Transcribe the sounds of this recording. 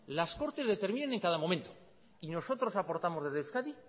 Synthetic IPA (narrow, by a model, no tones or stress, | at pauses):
lasko̞ɾt̪e̞zðe̞t̪e̞ɾmĩnene̞ŋkaðamo̞mẽ̞nt̪o̞ | ino̞so̞t̪ɾo̞sapo̞ɾt̪amoðeðeskaði